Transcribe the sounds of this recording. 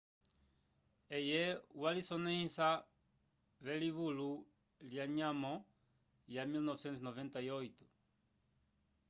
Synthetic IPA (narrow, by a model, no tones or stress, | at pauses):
ejewalisonẽĩsa | βeliβulu | ljaɲamõ | jamilnɔvsẽnt̪uznovẽnt̪aiojt̪u̥